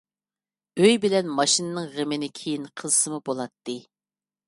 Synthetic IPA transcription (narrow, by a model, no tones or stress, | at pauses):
øjbɪlɛnmɑʃinɨnɨŋʁəmɪnɪkʲʰejinqʰəzˠsɨmubolˠɑt̪ːɨ